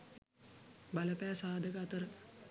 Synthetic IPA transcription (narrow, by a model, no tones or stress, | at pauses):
baləpæːsaːd̪ʱəkəat̪əɾə